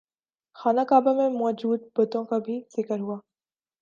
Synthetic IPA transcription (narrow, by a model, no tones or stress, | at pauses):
xaːnakaːbamẽmɔːd͡ʒuːd̪̚bɐt̪õkabʱiz̥ɪkəɾɦuaː